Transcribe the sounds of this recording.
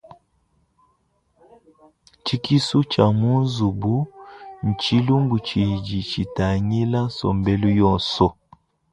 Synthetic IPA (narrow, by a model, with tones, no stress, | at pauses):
t͡ʃi˦ki˦su˦t͡ʃa˨mu˦n˦zu˨bu˦n̩˨t͡ʃi˦lu˦ŋɡu˨t͡ʃi˨d͡ʒi˨t͡ʃi˨ta˨ɲi˦la˦sɔ̰˨mbɛ˦lu˦jɔ˦˨nsɔ˦